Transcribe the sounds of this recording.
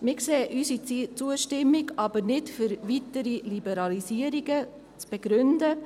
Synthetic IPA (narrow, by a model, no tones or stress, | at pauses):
mɪkseːʔysit͡st͡suəʃtɪmːiɡɑb̥əɾnɪtfʏɾʋitəɾilibɛɾɑlisiəɾiɡə | t͡sb̥eɡ̥ɾʏndə